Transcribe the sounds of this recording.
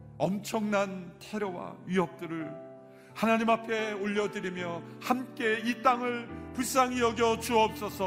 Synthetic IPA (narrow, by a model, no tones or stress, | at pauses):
ʌmt͡ɕʰʌŋnantʰe̞ɾʌwa̰ɥiʌp̚t͈ɯɾɯɭ | hanaɲimapʰe̞oʎːʌdɯɾimjʌhamk͈e̞it͈aŋɯɭpus͈aŋijʌɡjʌt͡ɕuʌp̚s͈ʌsʰʌ